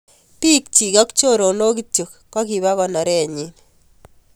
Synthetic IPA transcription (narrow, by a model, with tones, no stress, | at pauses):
pi˦k̚t͡ʃi˨kɔ˦kt͡ʃo˦˨ɾo˨no˦k̬i˦tjo˨kːwa˦ki˨βa˦kɔ˨na˨ɾɛ˦˨ɲi˦n